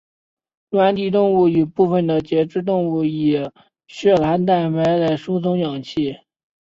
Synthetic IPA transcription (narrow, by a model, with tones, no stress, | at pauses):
lwa˧˥nt̪i˥˩t̪ʊ˥˧ŋu˥˩i˨˩pu˥˩fə˩nd̪ə˩t͡ɕjɛ˧˥ʈ͡ʂɻ̩˥˧t̪̬ʊ˥˧ŋu˥˩i˨˩ | ɕɥɛ˥˩lʰa˧˥nt̪a˥˩ɪma˧˥ɪla˥˩ɪʂu˥t͡sʰʊ˧˥ŋjɑ˨˩ŋt͡ɕʰi˥˩